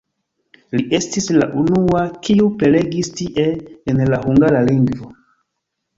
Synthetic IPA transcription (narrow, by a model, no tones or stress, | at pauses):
liʔe̞stisla̰ʔunuakiupele̞ɡistiʔeːnlahuŋɡaɾaliŋɡvo